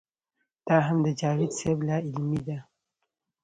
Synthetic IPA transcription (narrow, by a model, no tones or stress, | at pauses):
d̪̥ɑɦamd̪əd͡ʒɑɽid̪seblaɪlmid̪a